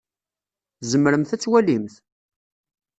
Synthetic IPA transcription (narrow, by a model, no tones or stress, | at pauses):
zəmːɾəmθæt͡sːwælimθ